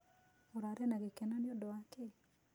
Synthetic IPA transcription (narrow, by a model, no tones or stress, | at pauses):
ɔɾaɾɛnaɡɪkɛnanɪɔdɔakɪ